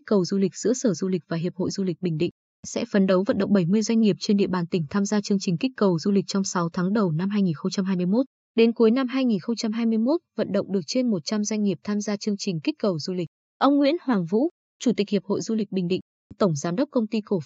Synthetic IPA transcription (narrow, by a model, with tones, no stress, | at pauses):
k̚kə˨˩wzu˧lï˨˩k̟̚zɨ̰˧˥əsəː˧˩zu˧lï˨˩k̟̚vaː˨˩ɦi˨˩əp̚ho̰˧˨jzu˧li˨˩ɓï˨˩ŋ̟ɗḭ˧˨ŋ̟ | sɛ̰˧˥fə˨˦nɗə˨˦wvə̰˧˨nɗə̰˧˨wŋ͡m̚ɓə˧˩jmɨ˧əjzwjŋ̟ŋi˨˩əp̚t͡ɕe˧nɗḭ˧˨əɓaː˨˩nt̪ï˧˩ŋ̟t̪ʰaː˧mzaː˧t͡ɕɨ˧əŋt͡ɕï˨˩ŋ̟kï˦˥k̟̚kə˨˩wzu˧lï˨˩k̟̚t͡ɕɔ˧wŋ͡msa˨˦wt̪ʰaː˨˦ŋɗə˨˩wna˧mɦaː˧jŋi˨˩nxə˧wŋ͡mt͡ɕa˧mɦaː˧jm˧əjmo˦˥t̚ | ɗe˨˦nku˨˦jna˧mɦaː˧jŋi˨˩nxə˧wŋ͡mt͡ɕa˧mɦaː˧jmɨ˧əjmo˦˥t̚və̰˧˨nɗə̰˧˨wŋ͡mɗɨ˨˩ək̚t͡ɕe˧nmo˨˩t̚t͡ɕa˧mzwa˧jŋ̟ŋi˨˩əp̚t̪ʰaː˧mzaː˧t͡ɕɨ˧əŋt͡ɕï˨˩ŋ̟ki˦˥k̟̚kə˨˩wzu˧lï˨˩k̚ | ʔə˧wŋ͡mŋwḭ˧˥ənhwaː˨˩ŋvṵ˧˥ | t͡ɕu˧˩t̪i˨˩k̟̚hi˨˩əp̚ho̰˧˨jzu˧lï˨˩k̟̚ɓï˨˩ŋ̟ɗḭ˧˨ŋ̟ | t̪ə˧˩wŋ͡mzaː˨˦nɗə˦˥k͡p̚kə˧wŋ͡mt̪i˧ko˧˩